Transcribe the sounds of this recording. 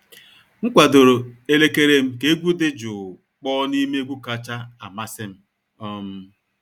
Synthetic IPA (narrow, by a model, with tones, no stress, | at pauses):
ŋ̩˦kʷa˨dʊ˨ɾʊ˨e˦le˦ke˦ɾe˦m̩˦ke˦ɡʷu˦dɪ˦d͡ʒʊ˨ | k͡pɔː˦ni˦me˦ɡʷu˦ka˦t͡ʃa˦a̰˨ma˦sɪ˦m̩˦ | ɔ˦m̩˦